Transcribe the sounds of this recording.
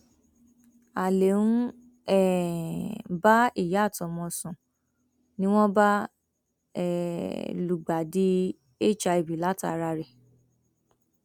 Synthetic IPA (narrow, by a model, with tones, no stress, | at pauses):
a˨le˨nũ˦ | ɛ˦˨ | ba˦i˦˨ja˨˦˨tɔ˨mɔ̃˧sũ˨ | nĩ˦w̃ɔ̃˦ba˦ | ɛ˨lu˨ɡ͡ba˨di˦ | e˦˨t͡ʃa˧i˨bi˨la˨˦ta̰˨˧ɾa˧ɾe˨